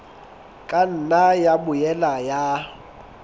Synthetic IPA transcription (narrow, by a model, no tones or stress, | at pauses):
kʼan̩najabʊjɛlaja